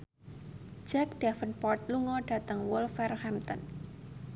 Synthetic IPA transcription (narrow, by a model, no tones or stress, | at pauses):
d͡ʒɛk̚d̥afənpɔrt̪̚luŋɔɖ̥ä̤t̪əŋwʊlfɛrhɛmt̪ɔ̰n